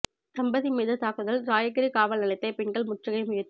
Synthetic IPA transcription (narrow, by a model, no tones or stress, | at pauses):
sɐmbɐðimɛːðɐt̪ːaːkɯðɐlɾaːjɐkɐɾikaːʋɐlnɐɭɐɪt̪ːɐɪpɛɳɡɐɭmʊʈrɐɣɐɪmʊjɐt̪ː